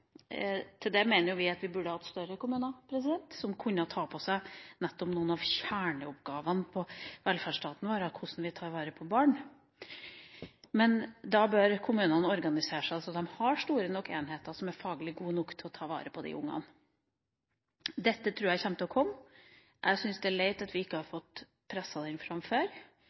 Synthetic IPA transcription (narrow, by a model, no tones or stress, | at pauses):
t̪ʰɪld̪ɛmeːnəɾjʊʋɪɑt̪ʋɪbʉɖːəhɑt̪st̪œɾəkʊmʉːnɑpʰɾɛs̬ɪd̪ɛnt̪sɔmkʰʉnːət̪ʰɑːpʰɔsæɪnɛt̪ːɔpnuːənɑʋçæːɳəʊpɡɑːʋənpʰɔʋɛlfæɖʂʈɑːt̪n̩ʋoːɾɑkʰʊsn̩ʋɪt̪ʰɑːɾʋɑːɾəpʰɔbɑːɳ | mɛnd̪ɑbœɾkʰʊmʉːnənɔɾɡɑnɪseːʂæɪsɔd̪ɛmhɑɾʂt̪uːɾənɔkːḛːnɦeːt̪əsɔmæɾfɑːɡəlɪɡuːnʊkt̪ʰːɪɔt̪ʰɑːɾʋɑ̰ːɾəpʰɔd̪ɪ̰ʔʊ̰ŋːɑ̰n | d̪ɛt̪ːət̪ʰɾʉːɾjæçɛmt̪əɔkʰɔmː | ʔæ̰ɪsʏnsd̪ɛæɭeɪt̪ɑt̪ʋɪɪkːəhɑɾfɔt̪ː | pʰɾɛsːɑd̪ɪnfɾɑmføːɾ